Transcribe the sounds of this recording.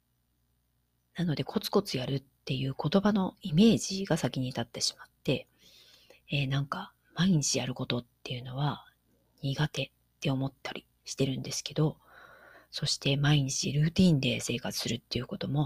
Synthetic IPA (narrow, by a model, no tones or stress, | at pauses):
nano̞d̪e̞kʰo̞t͡sɨ̥ko̞t͡sɨjaɾɯ̟t̪ːe̞jɯ̟ːko̞t̪o̞bano̞ime̞ːʑiɡasakʲiɲ̟it̪at̪ːe̞ɕi̥mat̪ːe̞ | nãŋka | maiɲ̟it͡ɕijaɾɯ̟ko̞t̪o̞t̪ːe̞jɯ̟no̞βa | ɲ̟iɡat̪e̞ | t̪ːe̞o̞mo̞t̪ːaɾʲḭ | ɕi̥t̪e̞ɾɯ̟̃nd̪e̞sɨ̥ke̞d̪o̞ | so̞ɕi̥t̪e̞maiɲ̟it͡ɕḭɾɯ̟ːt̪ʲĩːnd̪e̞se̞ːkat͡sɨ̥sɨɾɯ̟t̪ːe̞jɯ̟ko̞t̪o̞mo̞